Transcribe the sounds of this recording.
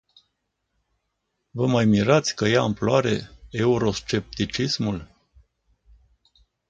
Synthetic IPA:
vəmajmiɾat̪sʲkəjaːmploaɾe̞̰euɾo̞st͡ʃe̞p̚t̪it͡ʃismul

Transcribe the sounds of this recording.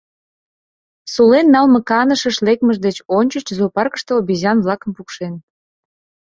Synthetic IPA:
sulenːɑlmɤ̆kɑnəʃəʃlek̚məʒd̪et͡ɕonʲt͡ɕət͡ɕzopɑrkə̥ʃt̪oobʲizɑnβlɑkə̆mpukʃen

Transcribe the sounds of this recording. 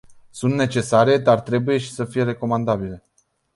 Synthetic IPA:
sunt̪net͡ʃe̞saɾe̞d̪art̪ɾe̞buje̞ʃi̥səfije̞ɾe̞ko̞mand̪abile̞

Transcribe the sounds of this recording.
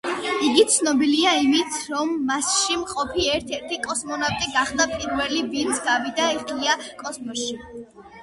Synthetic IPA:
iɡit̪sʰnɔbiliaimit̪ʰɾɔmːasʃimqʼɔpʰiɛɾt̪ʰɛɾt̪ʰikʼɔsmɔnapk̪ʼiɡaχd̪apʼiɾvɛlivint̪sʰɡavid̪aiχliakʼɔsmɔʃi

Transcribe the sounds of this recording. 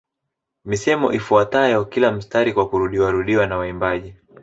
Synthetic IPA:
misɛmɔ̰ʔifuatajɔkilam̩staɾikwakuɾuɗiwaɾuɗiwanawaimbaʄi

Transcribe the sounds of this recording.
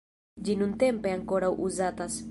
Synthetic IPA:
d͡ʒinunt̪e̞mpeaŋkoɾawʔuzat̪as

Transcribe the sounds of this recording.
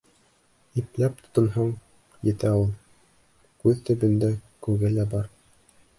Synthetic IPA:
iplæp̚t̪ŏ̥t̪ŏnɦɑɴ | jɘ̆t̪æulˠ | kʉðt̪ɵ̆bɘ̆nd̪ækʉɡɘlæbɑɾ

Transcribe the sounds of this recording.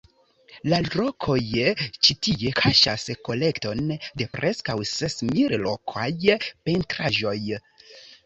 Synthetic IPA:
laɾokʰo̞jt͡ʃitie̞kʰaʃasko̞le̞kto̞nde̞pɾʔe̞skawse̞smillokʰajpe̞ntɾaʒo̞j

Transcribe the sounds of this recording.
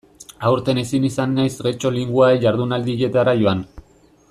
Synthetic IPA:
awɾt̪e̞ne̞sinisanːajsɣe̞t͡ʃo̞liŋɡuaeʝaɾðunald̪iʎet̪aɾaʝoan

